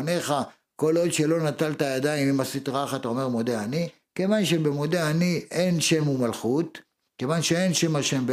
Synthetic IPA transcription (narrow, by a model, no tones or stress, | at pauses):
ne̞χa | ko̞lo̞d̪ʃe̞lo̞nat̪alt̪ajad̪aimimasit̪ʁaχat̪aome̞ʁmo̞d̪eani | ke̞vanʃe̞be̞mo̞d̪eaniʔenʃe̞mumalχut̪ | ke̞vanʃeenʃe̞maʃembe